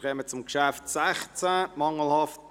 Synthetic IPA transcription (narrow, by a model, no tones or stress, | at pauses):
kɛːmət͡sʊmkʃæftsɛχt͡səmɑŋəl̩hɑft